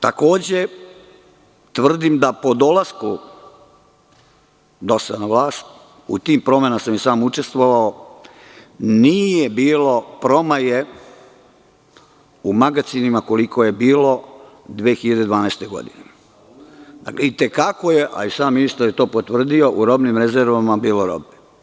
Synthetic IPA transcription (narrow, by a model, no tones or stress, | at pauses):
t̪ako̞ːd͡ʑe | t̪ʋr̩d̪imd̪apo̞d̪o̞lasku | d̪o̞sad̪naʋlˠaːst̪ | ṵt̪iːmpɾo̞menasamjesaːmut͡ʃe̞st̪ʋoʋao | nijebiːlo̞pɾo̞maje | umaɡat̪sinimako̞likʰo̞je̞biːlo̞ | d̪ʋeːxiʎad̪ed̪ʋaːnɛːst̪e̞ɡo̞̰d̪ḭne | d̪a̰klʔeit̪ekakoje̞ʔa̰isaːmmːinist̪aɾjet̪o̞ːpot̪ʋr̩d̪io̞ʔuɾo̞bnimɾezeɾʋamabiːlo̞ɾo̰bne